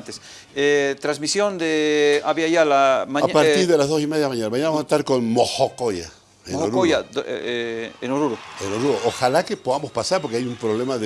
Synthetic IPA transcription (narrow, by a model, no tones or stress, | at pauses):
nt̪es | et̪ɾazmisjond̪eaβiaʝalamaɲapaɾt̪iɾðelazðo̞simeðjaðmaɲanamaɲanaβmoset̪aɾkonmoxokoja̰ | eoɾoja | enoɾuɾoenoɾuɾoʔoxalakepoðamo̞spasaɾpoɾkeajumpɾoβlemað